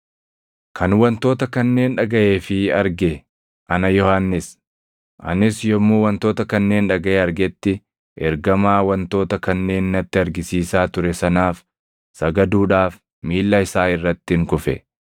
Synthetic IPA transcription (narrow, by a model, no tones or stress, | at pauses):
kʰɐnwɐnt̪o̞ːt̪ɐkɐnːe̞ːnᶑɐɡɐʔe̞ːfɪɐɾɡɛ | ʔɐnɐjɔhanːɪs | ʔɐ̰nɪsjɔmːuːwɐnt̪o̞ːt̪ɐkɐnːe̞ːnᶑɐɡɐʔeɐɾɡɛt̪ːɪ | ʔɛɾɡɐmaːwɐnt̪o̞ːt̪ɐkɐnːe̞ːnːɐt̪ːɪɐɾɡɪsiːsaːt̪ʊɾɛsɐnaːf | sɐɡɐd̪uːᶑaːf | miːlːɐɪsaːɪrːɐt̪ːɪŋkʊfɛ̰